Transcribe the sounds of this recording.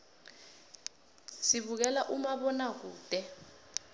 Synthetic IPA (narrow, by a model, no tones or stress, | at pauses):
siɓuk̬ɛlaʔumaɓɔnak̬uːd̥ʱɛ